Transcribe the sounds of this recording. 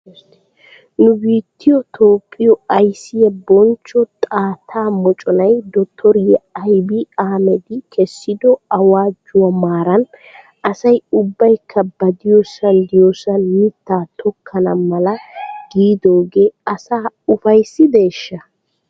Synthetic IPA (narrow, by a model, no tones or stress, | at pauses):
nʊbiːt̪ːɪjɔt̪ʰo̞ːpʼːɪjɔɐjsɪjɛbɔnt͡ʃːɔt̪ʼaːt̪ʰaːmɔt͡ʃʼɔnɐjd̪ɔt̪ʰːɔɾɪjɛɐjbɪaːmɛd̪ɪkʰɛsːɪd̪ɔɐwaːd͡ʒːʊwɐmaːɾɐn | ʔɐsɐjʊbːɐjkʰːɐbɐd̪ɪjɔsɐnd̪ɪjosɐliːt̪ːaːt̪ʰɔkʰːɐnɐmɐlɐɡ̥iːd̪o̞ːɡe̞ːɐsaːʊfɐjsːɪd̪e̞ːʃːɐ